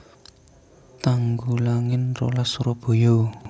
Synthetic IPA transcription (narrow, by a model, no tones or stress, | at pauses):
t̪aŋɡulaŋɪnro̰lasuɾob̥o̤jo